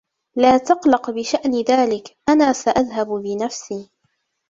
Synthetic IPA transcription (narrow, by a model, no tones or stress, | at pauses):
laːt̪ɑqlɑqbɪʃaʔnɪðaːlɪkʔanaːsaʔaðɦabbɪnafsiː